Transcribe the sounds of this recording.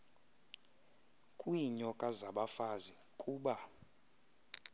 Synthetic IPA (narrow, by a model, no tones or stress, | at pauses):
kʼwiɲɔkʼazaɓafazi | kʼuːɓa